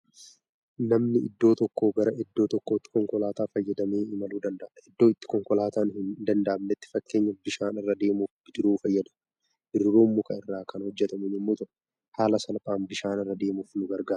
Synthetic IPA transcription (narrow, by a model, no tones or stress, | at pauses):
nɐmnɪɪd̪ːo̞ːt̪ɔkːoːɡɐɾɐʔɪd̪ːo̞ːt̪ɔkːoːɪt̪ːɪ̥kɔŋkɔlaːt̪aːfɐjːɐd̪ɐmeːɪmɐluːd̪ɐnd̪ɐʔɪd̪ːo̞ːɪt̪ːɪ̥kɔŋkɔlaːt̪aːnhɪnd̪ɐnd̪ɐʔɐmnɛt̪ːɪ̥fɐkːe̞ːɲːɐbɪʃaːnɪrːɐd̪e̞ːmuːfbɪd͡ʒɪɾuːfɐjːɐd̪ɐ̥ | bɪɾːuːmːʊkɐɪrːaːkʰɐnhɔd͡ʒːɛt̪ɐmɪnɪmːoːt̪ʊʔ | haːlɐsɐnɐpʼaːmbɪʃaːnɪrːɐd̪e̞ːmuːfnʊɡɐɾɡaː